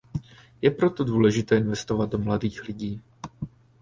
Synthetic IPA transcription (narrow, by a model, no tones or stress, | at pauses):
jɛpɾo̞t̪o̞duːlɛʒɪt̪ɛːɪnvɛst̪ovad̪̚do̞mladiːxlɪɟiː